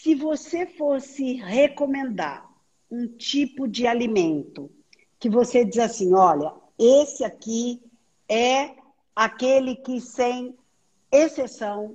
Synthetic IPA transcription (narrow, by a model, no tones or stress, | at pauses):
sɪvosefosɪhekõmẽnd̪a̰ɾ | ũt͡ʃipʊd͡ʒɪalimẽnt̪ʊ | kɪvosed͡ʒizasĩɔʎɐ | esɪaki | ɛ | akelɪkɪsẽj̃ | esesɐ̃w̃